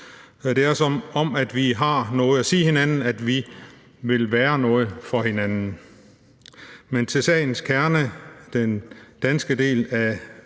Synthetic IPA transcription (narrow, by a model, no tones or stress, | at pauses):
d̥e̝æɐɐsɒmɒ̽mæd̥ʋiɦɑ̈nɔ̽ːð̩ˠæsiːhe̝nænn̩æd̥ʋi | ʋe̝lʋæːɐnɔ̽ːð̞̩ˠfɒ̽he̝nænn̩ | ment͡sʰe̝lsɛ̰ːɪn̩skʰæɐnəd̥end̥ænsɡ̥əd̥e̝̰ːlæ